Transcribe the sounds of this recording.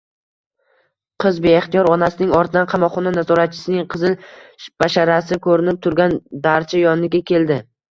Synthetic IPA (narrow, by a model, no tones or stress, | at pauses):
qʰɨzbeeχt̪ijɒɾɒnasɪnɪŋɒɾt̪ʰd̪anqʰɑmɒqχːɒnanazɒɾat̪̚t͡ʃʰɪ̥sɪnɪŋqʰɨzɪlb̥aʃaɾasɪkʰɵɾɪnɪp̚t̪ʰʊɾɡʲand̪aɾt͡ʃʰajɒnlɪɡʲakʲʰe̞ld̪ɪ